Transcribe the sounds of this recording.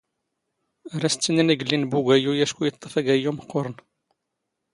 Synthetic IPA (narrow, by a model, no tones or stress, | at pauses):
ɾæst͡sːənːinæɡəlːinbuɡʷæjujæʃkujət̪ˤːəfæɡæjuməqːoɾˤən